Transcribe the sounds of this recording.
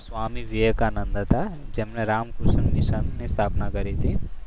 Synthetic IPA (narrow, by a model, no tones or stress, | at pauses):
sʋaːmiʋijekanɐnd̪ət̪ad͡ʒemneɾaːmkusɐnniʃɐnnist̪ʰaːpnakɐɾit̪i